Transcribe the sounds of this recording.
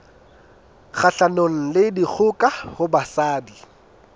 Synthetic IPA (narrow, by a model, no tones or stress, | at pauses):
k͡xʰaɬanoŋ̩lɪdik͡xʰʊkʼahʊbasaːdi